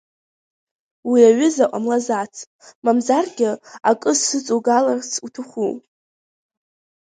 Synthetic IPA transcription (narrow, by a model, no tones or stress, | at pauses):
wiaɥʏzaʔʷʼamlazat͡sʰʼ | mamzarɡʲɪa̰kʼɨzsɨt͡sʼuɡalart͡sʰutʰɨχʷu